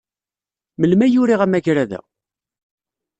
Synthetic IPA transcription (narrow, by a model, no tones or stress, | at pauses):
məlmæjuɾiʁæmæʝɾæðæ̰